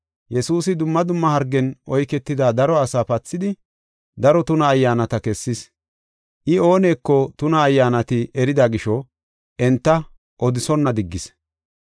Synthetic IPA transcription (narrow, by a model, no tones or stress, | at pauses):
jɛsuːsɪd̪ʊmːɐd̪ʊmːɐhɐɾɡːɛnʔɔjkɛt̪ːɪd̪aːd̪ɐɾɔɐsaːpɐt͡sːɪd̪ɪ | d̪ɐɾɔt̪ʊnɐːjːaːnɐt̪ɐkɛsːɪs | ʔɪo̞ːne̞ːkːɔt̪ʊnɐːjːaːnɐt̪ɪʔɛɾɪd̪aɡɪʃɔ | ʔɛnt̪ːɐ | ʔɔd̪ɪsɔnːɐd̪ɪɡːɪs